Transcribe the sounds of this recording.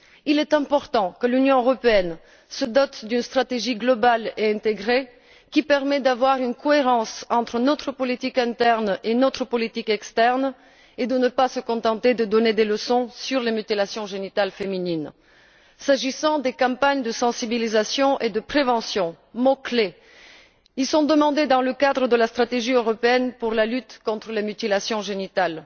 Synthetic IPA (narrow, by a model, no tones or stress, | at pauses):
ilɛt̪ɛ̃pɔʁt̪ɑ̃kəlynjɔ̃øʁɔpeɛn | səd̪ɔt̪d̪ynst̪χat̪eʒiɡlɔbaleɛ̃t̪eɡʁe | kʲipɛʁmɛd̪avwaʁynkɔeʁɑ̃sɑ̃t̪χənɔt̪χəpɔlit̪ikɛ̃t̪ɛʁnenɔt̪χəpɔlit̪ikɛkst̪ɛʁn | ed̪ənəpasəkɔ̃t̪ɑ̃t̪ed̪əd̪ɔned̪eləsɔ̃syʁlemyt̪ilasjɔ̃ʒenit̪alfeminin | saʒisɑ̃d̪ekɑ̃paɲd̪əsɑ̃sibilizasjɔ̃ʔed̪əpχevɑ̃sjɔ̃ | mɔkle | ilsɔ̃d̪əmɑ̃d̪ed̪ɑ̃ləkad̪ʁəd̪əlast̪χat̪eʒiøʁɔpeɛnpuʁlalyt̪kɔ̃t̪χəlemyt̪ilasjɔ̃ʒenit̪al